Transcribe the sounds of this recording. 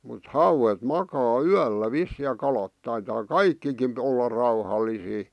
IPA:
mut hɑuwet mɑkɑː yælːæ ʋisːiˑ jɑ kɑlɑt tɑitɑː kɑikːikin olːɑ rɑuhɑlːisiː

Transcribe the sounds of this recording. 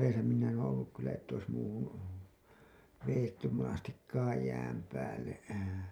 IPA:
ʋeːsæ minæ en olːuk kylːæ etːæ ois muːhun ʋejetːym monɑstikːɑːj jæːm pæːlːe

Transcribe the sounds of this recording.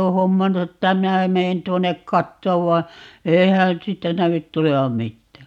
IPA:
oː homːɑnːu etːæ minæ meːn tuonˑek kɑtːoːʋ ʋɑi̯ eihæn̞ siːtːæ næʋyt tuleʋɑm mitːæː

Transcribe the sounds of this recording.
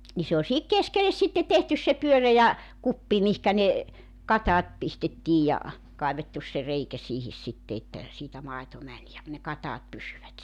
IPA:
ni se olʲ sihik keskeles sitːe tehtys se pyørejæ kupːi mihkæ ne kɑtɑːt pistetːiːj jɑ kɑiʋetːus se reikæ siːhis sitːe etːæ siːtæ mɑeto mænʲ jɑ ne kɑtɑːt pysyʋæt

